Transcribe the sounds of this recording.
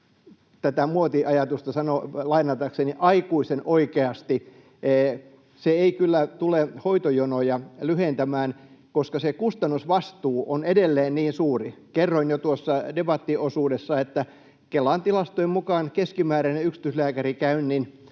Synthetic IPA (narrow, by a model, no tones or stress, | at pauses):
t̪æt̪æmuot̪iʔɑjɑt̪ust̪ɑsɑnolɑinɑt̪ɑkseniʔɑikuisenʔoikeɑst̪iː | seeikylːæt̪ulehoit̪ojonojɑlyhent̪æmæːnkoskɑsekust̪ɑnːusʋɑst̪uːʔonedelːeːnniːnsuːrikerːonjot̪uosːɑdebɑt̪ːiosuːdesːɑet̪ːæ | kelːɑːnt̪ilɑst̪oimmukɑːnkeskimæːɾæneyksi̥t̪yslæːkærikæynnin